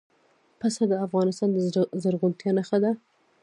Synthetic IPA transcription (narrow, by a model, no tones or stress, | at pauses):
pasad̪əafɣɑnɪst̪ɑnd̪əzəɾɣʊlt̪jɑnaxad̪a